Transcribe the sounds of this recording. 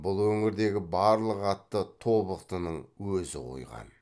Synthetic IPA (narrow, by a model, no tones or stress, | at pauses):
bʊlˠwɵŋɪɾd̪e̞ɡʲɪbɑɾlˠəqɑt̪ːət̪ʰo̞bəqt̪ənəɴwɵzɪ̰qʰo̰jʁɑ̰n